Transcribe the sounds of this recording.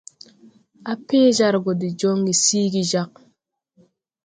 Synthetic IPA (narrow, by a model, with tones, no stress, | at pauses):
a˦pe˦d͡ʒa˦ɾɡo˨di˨d͡ʒo˦ŋɡi˨siː˦ɡi˦˨d͡ʒa˦k̚